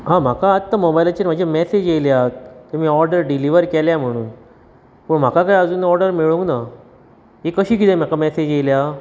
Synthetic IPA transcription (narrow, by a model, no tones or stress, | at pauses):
ɦãm̤akaːt̪ːamobajlat͡ɕenm̤ad͡ʑamɛsed͡ʑeljat̪t̪emiːɔɾɖəɾɖiliʋəɾkɛljam̤əɽ̃uːn | pəːɳm̤akakajəd͡zuːnɔɾɖəɾmeɭuŋɡna | ɦekəɕiːk̬it̪ɛ̃m̤akamɛsed͡ʑelja